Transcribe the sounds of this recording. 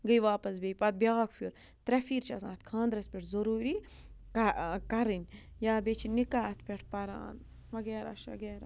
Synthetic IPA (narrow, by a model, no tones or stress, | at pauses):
ɡəjʋaːpɐsbʲejpɐt̪̚bʲjaːkʰfuɾ | t̪ɾɐfiːɾt͡ʃʰɐsã̰ːt̪kʰãːnd̪ɾɐspʲeʈʰzɐɾuːɾi | kɐkɐɾɨnʲ | jaːbet͡ʃʰinikaɐt̪ʰpʲeʈʰpɐɾa̰ːn | ʋɐɡeːɾa̰ʃʋɐ̰ɡeːɾa̰ː